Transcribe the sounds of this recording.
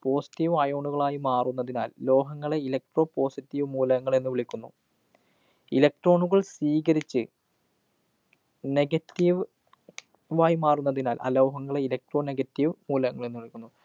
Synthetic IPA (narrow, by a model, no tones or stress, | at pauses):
po̞ːsi̥tːiʋmɐjoːɳuɣɐɭaːjimaːrunːɐðinaːllo̞ːɦɐŋːɐɭeilɐk̚ʈro̞ːpo̞ːsitːiʋmuːlɐŋːɐɭenːuʋiɭikʲːunːṵ | ilɐk̚ʈro̞ːɳuɣɐɭsʋiːɣɐɾit͡ɕːɨ | ne̞ɡɐtːiʋ | ʋaːjimaːrunːɐðinaːlʔɐ̰lo̞ːɦɐŋːɐɭeilɐk̚ʈro̞ːne̞ɡɐtːiʋmuːlɐŋːɐɭenːɨʋiɭikʲːunːu